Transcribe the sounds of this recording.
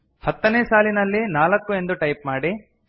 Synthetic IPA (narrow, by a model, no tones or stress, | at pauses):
hɐt̪ːɐneːsaːlinɐlːinaːlɐkːue̞nd̪uʈɐjp̚maːɽi